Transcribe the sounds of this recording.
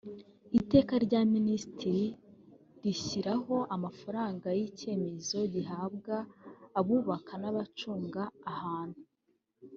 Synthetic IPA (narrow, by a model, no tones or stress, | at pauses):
ite̞ːkaɾɟaːministɾi | ɾiçiɾaɦo̞ʔamafaɾaːŋɡajice̞ːme̞zo̞ɟiɦaːbɡaːβuːβakʰanaβat͡ʃuːŋɡaːhaːn̥hu